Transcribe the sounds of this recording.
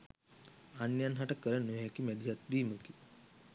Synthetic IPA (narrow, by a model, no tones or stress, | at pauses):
anjanɦɐʈəkːəɾənuakimɛd̪ijat̪̚biːməki